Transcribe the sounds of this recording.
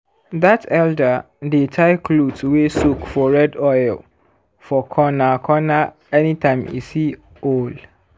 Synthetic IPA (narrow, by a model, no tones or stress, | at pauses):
datɛlda | detʰaɪkʰlutwesukfɔɹɛdɔjl | fɔkʰɔnakʰɔna | ɛnitãɪ̃mḭsi | ol